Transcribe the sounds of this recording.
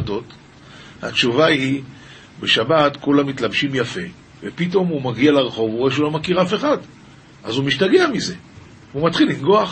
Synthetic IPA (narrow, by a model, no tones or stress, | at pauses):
to̞t | ha̰tʃuvahi | be̞ʃabat̪kulamit̪labʃimjafe̞ | vepito̞mumaɡialaʁeχo̞vuʁeʃulo̞makiʁafe̞χad | ʔazumiʃtaɡe̞amize̞ | umat̪χilinɡoaχ